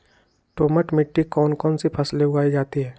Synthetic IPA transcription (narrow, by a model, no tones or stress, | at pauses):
ʈoːməʈmɪʈːikɔːnkɔːnsipʰɐsleʊaːid͡ʒaːt̪iɦɛː